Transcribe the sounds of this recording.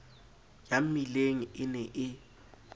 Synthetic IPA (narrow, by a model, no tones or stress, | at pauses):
jam̩mileŋ̩ʔɪnɛʔɪ